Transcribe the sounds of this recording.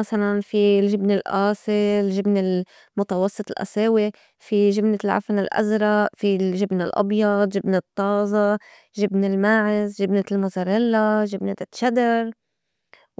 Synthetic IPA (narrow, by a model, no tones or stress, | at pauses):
masalanfilʒɪbnɪlʔaːsilʒɪbnɪl | mʊt̪ɑwɑsˤːɨt̪ˤɪlʔa̰seːwi | fiʒɪbnɪlʕa̰fanɪlʔa̰zɾˤɑʔfiʒɪbnɪlʔɑ̰bjɑd̪ʒɪbnɪt̪ˤːɑːzˤɑ | ʒɪbnɪlmaːʕɪzʒɪbnɪlmʊzaɾɪlːaʒɪbnɪʃad̪ɑɾˤ